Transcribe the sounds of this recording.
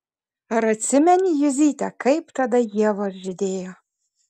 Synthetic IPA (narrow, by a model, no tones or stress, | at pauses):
ɐɾɐt̪ʲsʲɪmʲɛnʲɪjʊzʲiːt̪ʲɛkɐɪpt̪ɐd̪ɐjiɛʋosʒʲɪd̪ʲeːjoː